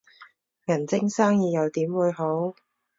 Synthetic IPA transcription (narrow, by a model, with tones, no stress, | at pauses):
jɐ˨˩nt͡sɪ˥ŋsaː˥ŋjiː˨˧jɐ˨˧wt̪iː˨˥mwuː˨˧jɦo˨˥w